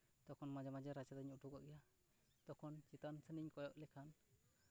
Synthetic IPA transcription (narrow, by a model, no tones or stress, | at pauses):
d̪̥ɔkʰɔnmad͡ʒamad͡ʒaɾat͡ʃad̪aɲuʈuka̰ʔɛja | d̪̥ɔkʰɔnt͡ʃit̪ansəniɲkɔjɔʔlɛkʰan